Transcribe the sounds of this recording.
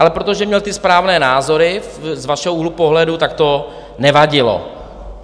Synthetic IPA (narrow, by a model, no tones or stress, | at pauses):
alɛpɾot̪o̞ʒɛmɲɛlt̪ɪspɾaːvnɛːnaːzo̞ɾɪzvaʃɛɦoulupoɦlɛdut̪ak̚t̪o̞ | nɛvaɟɪlo̰